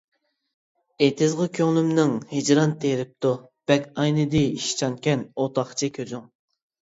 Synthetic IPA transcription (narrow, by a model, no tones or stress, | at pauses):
et̪ʰɪzʁəkʲʰøŋlˠymnɪŋhɨd͡ʒɾɑnt̪ʰeɾɪp̚t̪ʰub̥ɛkʲɑjnɨd̪ɪiʃt͡ʃʰɑnkʲɛnot̪ʰɑχt͡ʃʰikʲʰøzyŋ